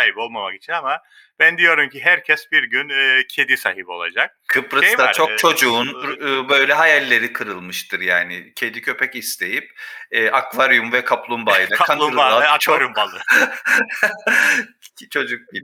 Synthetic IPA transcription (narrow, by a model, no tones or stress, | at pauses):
ajbo̞lˠmamakit͡ʃʰinama | b̥ænd̪ijo̞ɾumciɦæɾcʰɛsbiɾɟynɯːcʰe̞d̪isa̰ɦibo̞lˠa̰d͡ʒak̚kʰɯpɾɯʃjd̪aaɾt͡ʃʰo̞kt͡ʃʰo̞d͡ʒuːnːbø̞jlʲɛɦajalʲːe̞ɾikʰɯɾɯlˠmɯʃt̪ʰɯɾjaːnɪcʰe̞d̪icʰø̞pʰɛcist̪ʰe̞jip̚ɛːʔakvaɾjumvɛkʰaplˠumbajilˠakʰaalˠubaaakvaɾjumbalˠɯ | t͡ʃʰo̞d͡ʒuk̚bi